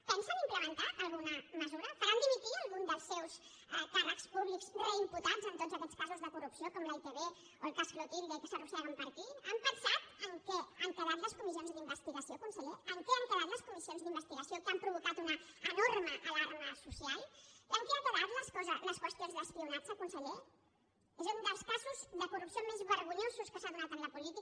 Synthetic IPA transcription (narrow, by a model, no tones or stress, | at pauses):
pənsənimpləmənt̪aːlˠɣunəməzuɾəfəɾand̪imit̪iəlˠɣund̪əlˠsːɛws | əparəkspuβlikspɛimput̪azənt̪ozəkɛʎskazuzðəkurupsiokɔmlajt̪eβe | oəlˠkasflut̪iβiðəkəsərusaβəmpəɾt̪iəmpənsat̪əŋkɛəŋkaβat̪ləskumis̬ionzðimbəst̪iɣəsiokunsəʎeəŋkɛəŋkaβat̪ləskumisionzðimbəst̪iɣəsiokampɾuβukat̪unəːnɔɾməʔalaɾməsusialˠiəŋkɛakəβat̪ləskɔzələskwəst̪jonzðəspiunat͡səkunsəʎe | ezund̪əlˠskazuzðəkurupsiomezβəɾɣuɲozuskəsaðunat̪ənləpulit̪i